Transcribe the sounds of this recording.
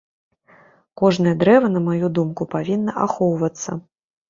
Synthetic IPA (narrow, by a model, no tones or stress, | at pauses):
kɔʐnɐjɐd̪ɾɛvɐnɐmajud̪umkupavʲinːɐʔa̰xɔwvɐt̪sːɐ̰